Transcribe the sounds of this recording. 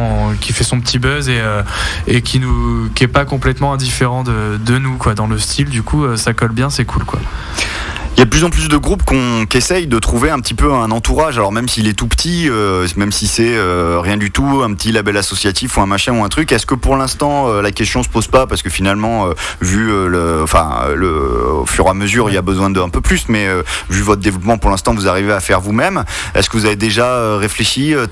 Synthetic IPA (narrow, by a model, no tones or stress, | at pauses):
kʲifɛsɔ̃pət̪ibœzeø | ekʲinukʲiɛpakɔ̃plɛt̪mɑ̃ɛ̃d̪ifeʁɑ̃d̪əd̪ənukwad̪ɑ̃ləst̪ʰild̪ykʰuøsakɔlbjɛ̃sɛkʰulkwa̰ | iljad̪əplyzɑ̃plys̬d̪əɡʁupkɔ̃kɛsɛjd̪ət̪χuveɛ̃pət̪ipøɛ̃nɑ̃t̪uʁaʒalɔʁmɛmsiːlɛt̪upə̥t̪ʰiømɛmsisɛøʁjɛ̃d̪yt̪uɛ̃pət̪ilabɛlasɔsjat̪ifuɛ̃maʃɛ̃uɛ̃t̪χykɛskəpuʁlɛ̃st̪ɑ̃ølakʲɛst̪jɔ̃sə̥pozpapaʁsəkəfinalmɑ̃øvyøləɑ̃fɛ̰̃ləo̰fyʁeaməzyʁilabəzwɛ̃d̪əɛ̃pøplysmɛøvyvɔt̪χəd̪evlɔpmɑ̃puʁlɛ̃st̪ɑ̃vuzaʁiveafɛʁvumɛm | ɛ̰skəvuzaved̪eʒaøʁefleʃiø